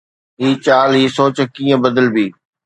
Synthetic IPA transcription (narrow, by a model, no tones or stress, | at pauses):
ɦiːt͡ɕaːlɦiːsoːt͡ɕkiːə̃bɐd̪əlbiː